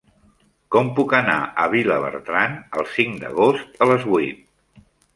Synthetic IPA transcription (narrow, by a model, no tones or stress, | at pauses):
kɔmpukəna̰ʔəβ̞iləβə̰ɾt̪ɾanəlˠsiŋd̪ə̰ɣost̪ələzβuit̪̚